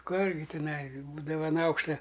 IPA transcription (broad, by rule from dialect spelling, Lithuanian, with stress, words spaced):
ˈkʊr ɡʲɪ tʲɪˈnɐɪ ˈbuːdɐʋɐ ɐn ˈɐʊkʃtɐ